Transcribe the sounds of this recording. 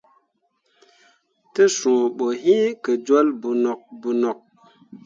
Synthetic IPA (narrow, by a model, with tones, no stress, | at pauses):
tə˦sũ˨ɓo˨ɦĩ˦kə˨d͡ʒo˦lbu˨no˨k̚bu˨no˨k̚